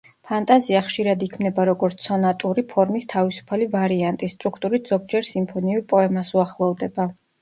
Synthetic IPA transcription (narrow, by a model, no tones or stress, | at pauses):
pʰant̪ʼaziaχʃiɾad̪ikʰmnɛbaɾɔɡɔɾt̪sɔnat̪ʼuɾipʰɔɾmist̪ʰavisu̥pʰalivaɾiant̪ʼist̪ʼɾukʰt̪ʼuɾit̪ʰz̥ɔɡ̚d͡ʒɛɾsimpʰɔniuɾpʼɔɛmasuaχlˠɔvd̪ɛba